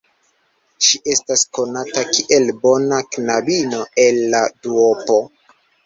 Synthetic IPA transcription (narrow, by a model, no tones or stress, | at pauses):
ʃiʔe̞stasko̞natakiʔe̞lbo̞naknabino̞e̞lːaduopo